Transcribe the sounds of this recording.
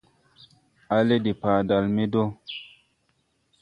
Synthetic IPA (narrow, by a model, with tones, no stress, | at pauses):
a˦le˦di˨pa˨da˨lme˦do˦